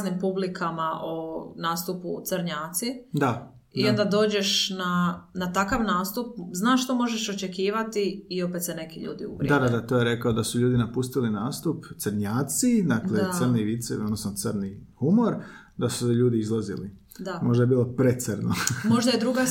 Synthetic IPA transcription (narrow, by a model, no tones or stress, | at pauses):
nimpublikʰamaʔonaːst̪uput̪səɾɲaːt̪sid̪a | io̞nd̪ad̪o̞ːd͡ʒe̞ʃnanat̪akaʋnaːst̪up̚znaːʃʃt̪o̞mo̞ʒeʃo̞t͡ʃe̞kiːʋat̪iːo̞pet̪se̞ne̞kiʎṵːd̪ḭṵʋɾdiad̪ad̪at̪oːjeɾe̞kaod̪asuʎuːd̪inapust̪ilinaːst̪upt̪sɾɲaːt̪sid̪aklesəɾniʋit̪sɛod̪nosnot̪səɾnihumo̞ɾ | d̪asu̥sʎuːd̪iizlˠazḭlḭ | d̪amo̞ʒd̪ajebiːlˠo̞pɾet̪səɾnomo̞ʒd̪ajed̪ɾuɡa